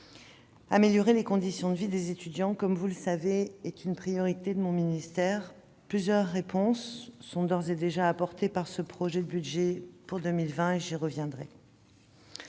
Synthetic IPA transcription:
ameljɔʁelekɔ̃d̪isjɔ̃d̪əvid̪ezet̪yd̪jɑ̃kɔmvuləsaveɛt̪ynpχijɔʁit̪ed̪əmɔ̃minist̪ɛʁ | plyzjœʁːepɔ̃sːɔ̃d̪ɔʁzed̪eʒaːpɔʁt̪epaʁsəpχɔʒɛd̪əbyd̪ʒɛpuʁd̪əmilvɛ̃eʒiʁəvjɛ̃d̪ʁɛ̰

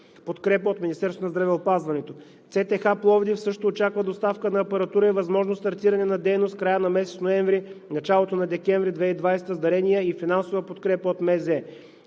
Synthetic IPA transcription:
pot̪kɾɛpəot̪mʲinist̪ɛɾsonɐzd̪ɾɐvɛopazvɐnɛt̪o | t̪sɛt̪ɛxaplˠɔvd̪ifsɤʃt̪oːt͡ʃakvɐd̪ost̪afkənɐːpɐɾɐt̪uɾəivɐzmɔʒnost̪ɐɾt̪iɾɐnɛnɐd̪ɛjnost̪̚kɾajənɐmɛsɛt̪snoɛɱvɾinɐt͡ʃalˠot̪onɐd̪ɛkʲɛ̃ɱvɾid̪vɛid̪vajst̪əzd̪ɐɾɛniəifinansovəpot̪kɾɛpəot̪mɛzɛ

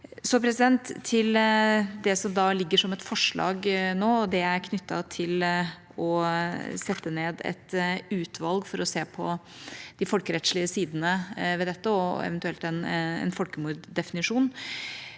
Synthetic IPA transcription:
sɔpʰɾɛsɪd̪ɛnt̪ʰːɪld̪ɛsɔmd̪ɑːlɪɡːəʂɔmɛt̪fɔʂɭɑ̰ːɡnoːɔd̪ɛæɾkʰnʏt̪ːɑt̪ʰɪl | ɔ | sɛt̪ːəneːd̪ɛ̰t̪ʉːt̪ʰʋɑlɡfɔɾɔseːpʰɔ | d̪̥ɪfɔlkəɾɛt̪ʂɭɪəsiːd̪ənəʋɛd̪ɛt̪ːəɔɛ̰ʋənt̪ʉɛlt̪ɛnɛ̰nfɔlkəmuːɾd̪ɛfɪnɪʂuːn

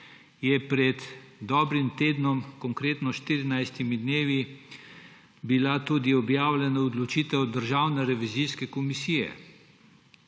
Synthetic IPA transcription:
jɛpɾɛd̪d̪ɔːbɾimt̪eːd̪nɔmkɔŋkɾeːt̪nɔʃt̪iɾinajst̪imid̪neːʋi | bilat̪uːd̪iɔbjaːwlʲjɛnaɔd̪lɔt͡ʃiːt̪ɛwd̪əɾʒaːwnɛɾɛʋiziskɛkɔmisiːjɛ̰

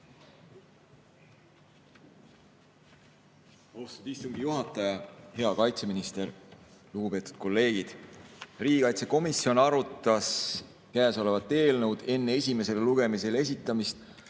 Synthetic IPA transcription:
ost̪ud̪̥ist̪uŋɡijuɦɑt̪ːˑɑjɑhe̞ɑkɑjt̪se̞minist̪e̞ɾluɡ̥upe̞ːt̪u̥d̪̥̚ko̞lːe̞ːɡ̥id̪̥riːɡikɑjt̪se̞ko̞misːio̞nɑɾut̪ˑːɑs | kæːso̞le̞vɑt̪ːˑe̞ːlnə̞wd̪̥e̞nːee̞sʲime̞se̞leluɡe̞mise̞le̞s̬it̪ːˑɑmist̪

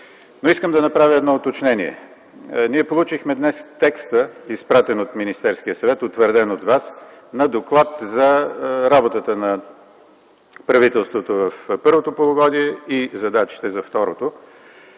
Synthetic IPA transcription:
noiskəmd̪ɐnɐpɾavʲəɛd̪nɔot̪ot͡ʃnɛniɛ̰ | niɛpolˠut͡ʃixmɛd̪nɛst̪ɛkst̪əispɾat̪ɛnot̪minist̪ɛɾskiəsɐvɛt̪ot̪vəɾd̪ɛnot̪vas | nɐd̪oklˠat̪zɐɾabot̪ət̪ənɐ | pɾɐvit̪ɛlˠst̪vot̪ovəfpɤɾvot̪opolˠʊɡɔd̪iɛizɐd̪at͡ʃi̥t̪ɛzɐft̪ɔɾot̪o

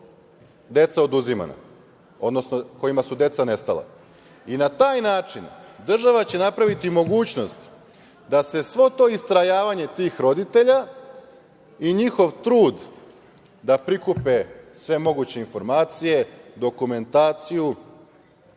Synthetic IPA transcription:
d̪e̞t̪sao̞d̪uzima̰na̰ | o̞d̪nosnoko̞imasud̪e̞t̪sane̞st̪ala̰ | inat̪aːjnaːt͡ʂind̪r̩ʒaʋat͡ɕe̞napɾaʋit̪imo̞ɡuːt͡ɕno̞st̪ | d̪ase̞sʋo̞t̪o̞ːist̪ɾajaːʋaɲe̞t̪iːxɾo̞d̪it̪e̞ʎa | iɲixo̞ʋt̪ɾuːd̪ | d̪apɾikupe̞sʋe̞mo̞ɡut͡ɕe̞info̞ɾmaːt̪sije̞d̪o̞kume̞nt̪aːt̪siju

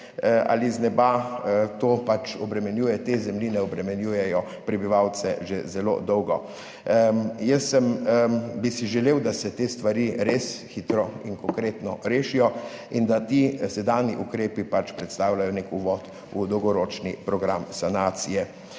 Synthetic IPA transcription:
ʔa̰liznɛbat̪oːpat͡ʃɔbɾɛmɛnjuːjɛt̪ezɛmlinɛɔbɾɛmɛnjuːjɛjɔ | pɾɛbiʋawt̪sɛʒezɛlo̰d̪ɔwɡɔ | jəsːəmbisiʒɛleːwd̪asɛt̪eːst̪ʋaɾiɾesxit̪ɾɔinkɔŋkɾeːt̪nɔɾeːʃijɔ | ind̪at̪isɛd̪aːnjiʔukɾeːpipat͡ʃpɾɛt̪st̪aːwlajɔnekuʋɔːt̪ | ud̪ɔwɡɔɾoːt͡ʃnipɾɔɡɾamsanaːt̪sijɛ

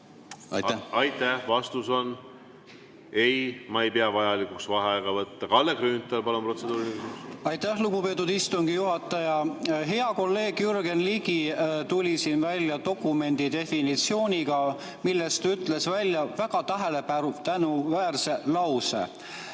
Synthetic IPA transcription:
ɑ̰ɑjt̪ːæhvɑst̪uso̞n | e̞jmɑejpeɑvɑjɑlikuksvɑɦeɑeɡ̥ɑvɤt̪ːɑkɑlːeɡryːnt̪ːˑelpɑlompro̞t̪se̞d̪uːɾiliisusɑjt̪æhluɡ̥upe̞t̪ːˑud̪ist̪uŋɡ̥ijuɦɑt̪ːˑɑjɑɦe̞ɑko̞lːe̞ːɡ̥jyrɡe̞nliɡ̥it̪ulʲisiːnvælʲjɑt̪o̞kːˑume̞nd̪̥it̪e̞finit̪sio̞ːnʲiɡɑ | milːe̞st̪ɑyt̪ˑle̞svælʲːjɑvæɡ̥ɑt̪ɑɦele̞pæɾut̪ænuvæːrselɑwsḛ

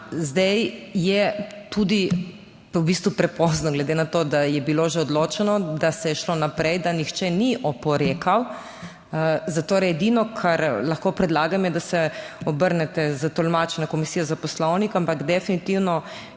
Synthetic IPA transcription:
zd̪ɛjjɛt̪ud̪i | ubist̪ʋupɾɛpɔznɔɡlɛd̪enat̪oːd̪ajɛbiloʒɛɔd̪loːt͡ʃɛnɔd̪asɛjɛʃlonapɾɛjd̪anixt͡ʃɛniʔɔpɔɾeːkʰaw | zat̪oːɾɛɛd̪inɔkʰaɾlɐxkopɾɛd̪laːɡamjɛd̪asɛɔbəɾnɛt̪ɛzət̪ɔlmat͡ʃɛnakɔmisiːjazapɔslɔwnikampakd̪ɛfinit̪iwnɔ

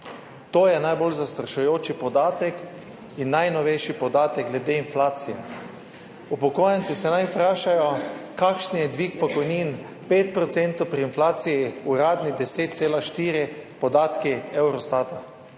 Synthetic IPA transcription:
t̪oːjɛnajbolzast̪ɾaʃujoːt͡ʃipɔd̪aːt̪ɛk | inːajnɔʋɛjʃipɔd̪aːt̪ɛɡ̚ɡlɛd̪eːinflaːt̪sijɛ̰ | upɔkoːjɛnt̪sisɛnajpɾaːʃajɔkakʃnijɛd̪ʋiːk̚pɔkɔjniːn | peːt̪̚pɾɔt̪sent̪owpɾiːnflaːt̪sijiuɾaːd̪nid̪ɛseːt̪̚t̪seːlaʃt̪iːɾipɔd̪aːt̪kiɛwɾɔst̪aːt̪a

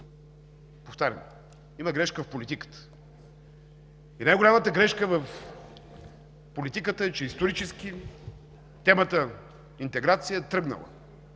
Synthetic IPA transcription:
poft̪aɾʲə̰m | iməɡɾɛʃkəfpolʲit̪ikə̥t̪ə̥ | inajɡʊlʲamət̪əɡɾɛʃkəvɐf | polʲit̪ikət̪əɛt͡ʃɛist̪oɾit͡ʃɛskʲi | t̪ɛmət̪ə | int̪ɛɡɾat̪sijət̪ɾɤɡnə̰lˠə̰

